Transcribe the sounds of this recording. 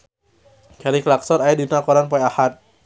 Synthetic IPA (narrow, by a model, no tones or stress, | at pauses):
kaɾiklak̚sɔɾaɛdinakɔɾanpɔjahat̪̚